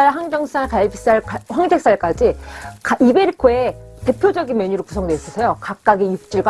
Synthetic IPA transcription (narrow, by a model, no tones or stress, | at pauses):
aɦaŋd͡ʑʌŋs͈ʰaɭkaɭibis͈aɭkɸwaŋdʰe̞k̚s͈aɭk͈ad͡ʑikaibe̞ɾikʰoe̞te̞pʰjod͡ʑʌɡinmjʌɲuɾokusʰʌŋdwe̞is͈ʌsʰejokak̚k͈aɡijuk̚t͡ɕ͈iɭɡw